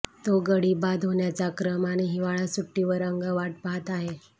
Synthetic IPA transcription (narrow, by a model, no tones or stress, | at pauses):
t̪oɡəɽiːbad̪ʱɦoɳjat͡sakɾəmañiɦiʋaɭasuʈːiʋəɾəŋɡəʋaʈ̚paət̪aɦe